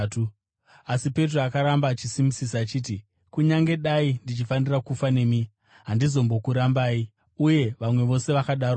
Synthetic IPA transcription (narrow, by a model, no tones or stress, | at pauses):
tu | asipe̞t̬roakaɾambaːt͡ʃisimisisaːt͡ʃiːt̬i | kuɲaŋɡe̞ɗaindit͡ʃifanirakufane̞mi | ɦandizo̞mbo̞kuɾambaːi | uje̞ʋamwe̞ʋo̞se̞ʋakaɗaːɾo